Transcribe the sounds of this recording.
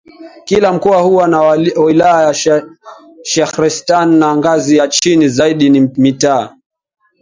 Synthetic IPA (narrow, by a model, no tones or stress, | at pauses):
kilam̩kɔwahuwanawilajaja | ʃaxɾistanːaŋɡazijat͡ʃinizaiɗinimitaː